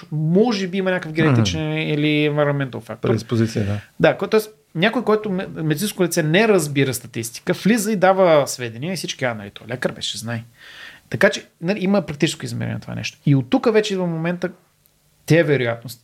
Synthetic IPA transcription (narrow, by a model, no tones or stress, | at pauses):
mɔʒɛbiimənʲakəfɡʲɛnkt̪it͡ʃɛniliɛnvɛɾɐmɛnt̪əlfa̰k̚t̪ʊɾspozit̪sid̪ad̪akot̪ɔɛs | nʲakʊjkɔjt̪ʊmɛd̪it̪sĩnskʊlit̪sɛnɛɾɐzbiɾəst̪ɐt̪ist̪i̥kəflizəid̪avəsvɛd̪ɛniəisit͡ʃkianɐlit̪ɔlɛkəɾvɛ̰ʃɛznaj | t̪ɐkat͡ʃɛ | naliiməpɾɐk̚t̪it͡ʃɛskʊizmɛ̰ɾɛ̰nɛ̰nɐt̪ova̰nɛ̰ʃt̪o̥iot̪ːukəvɛt͡ʃɛvəfmomɛnt̪ə | t̪ɛɛvɛɾʊjat̪̚nost̪